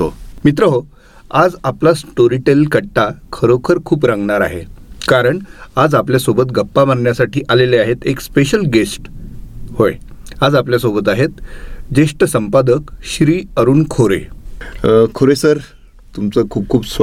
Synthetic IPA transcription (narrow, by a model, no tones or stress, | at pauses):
t̪omit̪ɾəɦo | ad͡zaplasʈoɾiʈelkəɽʈakʰəɾokʰəɾkʰuːp̬ɾaŋɡɳaɾa̰ɦḛkaɾəɳad͡zapljasobət̪ɡəpːamanɳjasaʈiːʔaleleaɦet̪ekspeɕəlɡesʈhojad͡zapljasobət̪aɦet̪d͡ʑeʂʈəsəmpad̪əkɕɾiːəɾuːnkʰoɾḛ | kʰoɾesəɾ | t̪umt͡səkʰuːp̚kʰuːbs